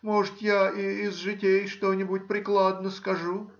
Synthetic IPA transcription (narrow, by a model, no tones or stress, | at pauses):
moʐɨt̪jaiːzʐɨtʲejʂt̪onʲɪbʊtʲpɾʲɪklˠad̪nəskɐʐu